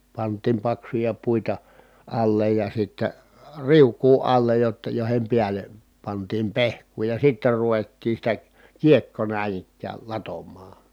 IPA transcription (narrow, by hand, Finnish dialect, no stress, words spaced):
pɑntˑiːm pɑksujɑ puitɑ ɑlːej jɑ sitːæ riukˑuː ɑlːej jotːɑ joˑi̯hem piælˑe pɑntiːm pehkˑuː jɑ sitːer ruʋetːiː sitæ kiekːo næˑin ikˑæːl lɑtomːɑː